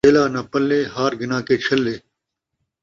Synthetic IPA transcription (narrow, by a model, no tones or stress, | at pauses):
eːlaːnaːpəlːeːɦaːɾɡɪnãːkeːt͡ʃʰɐlːeː